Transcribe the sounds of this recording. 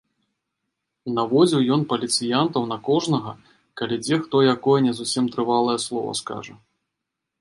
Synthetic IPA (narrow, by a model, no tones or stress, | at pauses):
navɔd͡zʲiwjɔnpɐlʲit̪sɨjant̪ɐwnɐkɔʐnɐɣɐ | kalʲid͡zʲɛxt̪ɔjakɔjɛnʲɛzusʲimt̪ɾɨvalˠɐjɛslˠɔ̰vɐ̰ska̰ʐɐ̰